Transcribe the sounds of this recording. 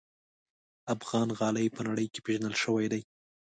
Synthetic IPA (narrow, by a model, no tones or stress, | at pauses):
afɣɑnɣɑləjpənaɽəjke̥peʒanəlʃəwajd̪aj